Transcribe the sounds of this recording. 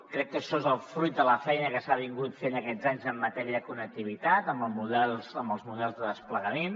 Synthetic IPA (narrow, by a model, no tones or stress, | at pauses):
kɾɛkːəʃɔezəlˠfɾujt̪̚d̪ələfɛjnəkəsaβ̞iŋɡut̪fenəkɛd͡zaɲzəmːət̪ɛɾiəðəkunək̚t̪iβ̞it̪at̪əmbəlˠmuðɛlˠzəmbəlˠzmuðɛlˠzðəðəspləɣəmen